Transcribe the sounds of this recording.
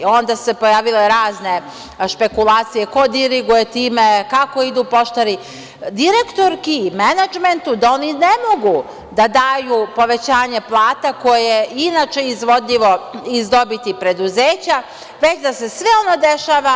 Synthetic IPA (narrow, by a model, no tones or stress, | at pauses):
o̞nd̪assepo̞jaːʋile̞ɾaːzne̞ | ʃpe̞kulˠaːt̪sijeko̞d̪iɾiɡujet̪iːme̞kako̞id̪upo̞ʃt̪aɾi | d̪iɾekt̪o̞ɾkimenad͡ʒment̪ud̪ao̞ninemo̞ɡu | d̪ad̪aːjupo̞ʋe̞t͡ɕaːɲe̞plˠaːt̪ako̞jejeinaːt͡ʃeizʋo̞d̪ʎiʋo̞izd̪o̞bit̪ipɾe̞d̪uzeːt͡ɕa | ʋet͡ɕd̪ase̞sʋeo̞nod̪eʃaːʋa